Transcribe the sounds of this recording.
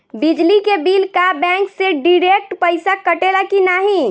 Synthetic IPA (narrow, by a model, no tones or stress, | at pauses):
bid͡ʒlikebilkabɛ̃ŋkseɖiɾek̚ʈpəɪsakəʈelakinaɦi